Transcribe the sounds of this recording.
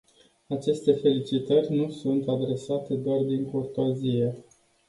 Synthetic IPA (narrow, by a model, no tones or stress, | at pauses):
at͡ʃe̞st̪e̞fe̞lit͡ʃit̪ərʲnusunt̪ad̪ɾe̞sat̪e̞d̪oard̪iŋko̞rt̪oazije̞